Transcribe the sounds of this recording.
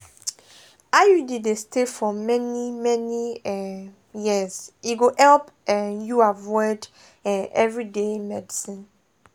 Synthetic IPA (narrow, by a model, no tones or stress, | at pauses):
ajudidestʰefɔmɛnimɛniɛ | jiziɡohɛlp | ɛ̃njuavɔɪd | ɛʔɛvɹidemɛdisĩn